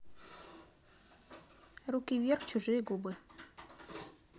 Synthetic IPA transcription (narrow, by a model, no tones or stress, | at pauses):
rukʲivʲerxt͡ɕuʐɨjəɡubɨ